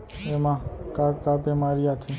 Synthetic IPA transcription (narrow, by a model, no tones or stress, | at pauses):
emãkakabemaɾijat̪ʰi